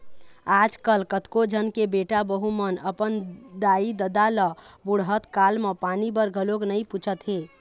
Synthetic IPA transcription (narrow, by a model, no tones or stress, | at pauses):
aːd͡ʒkəlkət̪kod͡ʒʱənkebeːʈabəɦumənəpənd̪aːid̪əd̪aləbʊɽɦət̪kaːlmepaːnibəɾɡʱəloknəĩput͡ʃʰət̪ɦẽː